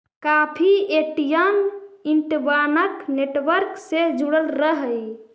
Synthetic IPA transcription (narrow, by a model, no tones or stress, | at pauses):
kapʰieʈijəniɳʈbanəkneʈʋəɾksed͡ʒuɽəlɾəɦəj